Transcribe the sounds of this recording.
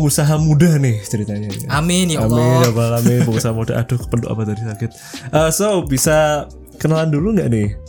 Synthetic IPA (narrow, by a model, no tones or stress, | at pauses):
əŋusaɦamudahnɪht͡ʃəɾit̪aɲaamɪnamɪnjabaalamɪnpəŋusaɦamuda̰ʔa̰d̥ʊhkə̥pəndṵʔa̰pat̪adisakɪt̪̚ʔəsobisa | kənalanduluŋɡaʔnɪh